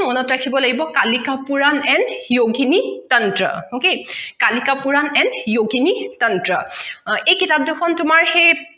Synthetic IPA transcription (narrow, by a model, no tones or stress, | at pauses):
mɔnɔtɹakʰibɔlaɡibɔkalikapuɹanɛnjoɡinitɔntɹɔ̰okekalikapuɹanɛnjoɡinitʌntɹɔejkitap̚dexʰɔntʊmaɹxej